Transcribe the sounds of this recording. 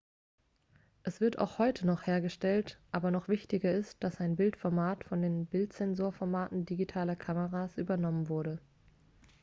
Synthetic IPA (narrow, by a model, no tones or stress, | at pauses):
ʔɛsv̥ɪɐta̰ʊxhɔʏtʰənɔχheːɐɡəʃtɛltʔaːbɐnɔχv̥ɪçtɪɡɐɪst̚d̥asaɪnbɪltfɔɐmaːtfɔndeːnbɪltz̥ɛnzoːɐfɔɐmaːtn̩diɡitʰaːlɐkʰaməʁaːsʔyːbɐnɔmənvʊɐɾə